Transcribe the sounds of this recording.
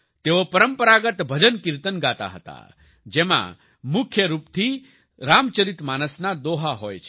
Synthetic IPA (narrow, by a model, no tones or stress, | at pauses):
t̪eʋopəɾəmpəɾaɡət̪bʱəd͡ʒənkiɾt̪ənɡat̪a̰ɦət̪a̰ | d͡ʒemã̰ | mukʰjəɾup̚t̪ʰi | ɾamt͡ʃəɾit̪maːnəsnad̪oɦaɦoːjt͡ʃʰ